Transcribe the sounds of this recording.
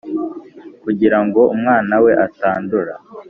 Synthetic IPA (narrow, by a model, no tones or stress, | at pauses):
kuɟiɾaŋɡo̞umŋaːnawe̞ʔataːnduɾa